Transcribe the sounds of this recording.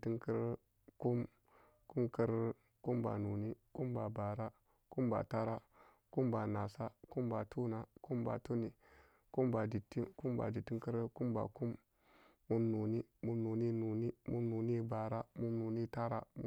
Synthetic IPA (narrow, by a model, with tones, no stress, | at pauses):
ti˦ŋkə˦ɾ | ku˦m | ku˦mkə˦ɾ | ku˦mba̰˨nu˨ni˦ku˦mba˨ba˨ɾa˦ | ku˦mba̰˨ta˦ɾa˦ | ku˦mba˨na˨sa˦ku˦mba˨tʰu˦na˨ku˦mba̰˨tu˦ni˨ | ku˦mba˨di˨tːi˦ku˦mba̰˨di˨ti˦ŋkə˦ɾku˦mba̰˨ku˦mː | u˦mnu˨ni˦mu˦mnu˨ni˦nu˨ni˦mu˦mnu˨ni˦ba˨ɾa˦mu˦mnu˨ni˦ta˦ɾa̰˦m˦